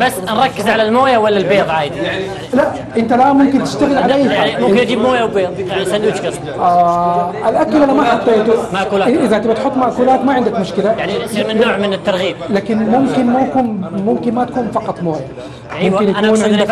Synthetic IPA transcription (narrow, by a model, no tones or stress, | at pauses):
basːnɾˤɑkːɪzʕalalmoːjawalːalbeːðˤʕaːjɪd̪i | laʔ | ʔɪnt̪alamʊmkɪnt̪ɪʃt̪aɣɪlʕʕalaʔaːaimʊmkːɪnʔad͡ʒiːbmoːjawbeːðˤsalːuːt͡ʃkɪs | ʔaʔalʔakːalʔanamaħɑt̪ˤːeːt̪ʊmaʔkuːlaʔɪðat̪abɪt̪ħʊt̪ˤːmaʔkuːlaːt̪maʕɪnd̪akmʊʃkɪlajaʕnimɪnːoːʕmɪnɪt̪ːɑɾˤɣiːb̚laːkɪnmʊmkɪnmʊkuːnmʊmkɪnmat̪ḁkuːnfɑqɑt̪ˤmoːja | mɪnjaʔanːnʕɪnd̪